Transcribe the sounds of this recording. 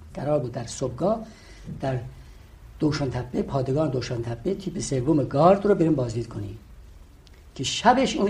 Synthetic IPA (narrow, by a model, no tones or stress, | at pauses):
ɡ̥æɾɒːɾbuːd̪ːæɾsob̚ɡɒː | d̪̥æɾ | d̪̥oːʃɑːnt̪ʰæbːepʰɒːd̪eɡɒːned̪oːʃɑnt̪ʰæbːet̪ʰiːpʰesevːomeɡɒːɾd̪ɾobeɾimbɒːzd̪iːd̪̚kʰoni | cʰeʃæbeʃuːn